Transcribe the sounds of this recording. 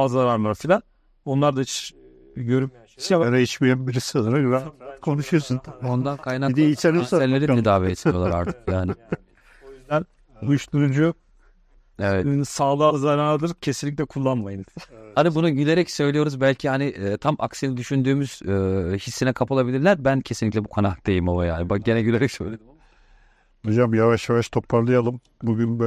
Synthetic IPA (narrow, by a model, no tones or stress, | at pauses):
azlˠaɾaɾmaɾsilʲa | onlˠaɾd̪at͡ʃ | ɟø̞ɾym | isjamaɾait͡ʃbijɛmbiɾisianɯɾaɡyzaat̪kʰo̞nuʃujosunʰo̞nd̪ankʰajnakid̪iit͡ʃeɾɛnlːeɾʲiid̪aːveet̪ʰmjoaɾa̰ɾt̪ʰɯ̥kjaːnɪ | læn | ujuʃluɾund͡ʒujok̚ | evɛt̪inisaːlˠɯlˠzaɾaːad̪ɯɾɯcʰe̞sinlʲic̬ʲlʲɛkʰulˠːanmajɯnhanibunuɟilʲe̞ɾɛcsø̞jlʲejo̞ɾuzbælʲcʰihaniʔːt̪ʰamʔa̰ksinid̪yʃynd̪yːmyz̥ɯːçisːinɛkʰapʰalˠabilʲiɾlʲæɾbæncʰesinlʲiclʲɛbukʰanad̪e̞jimovajaːbaɟe̞nɛɟyleɾɛcsøjlʲej | nud͡ʒamjavaʃjavaʃt̪ʰo̞pʰːaɾlˠɯjalˠɯm | buɡynb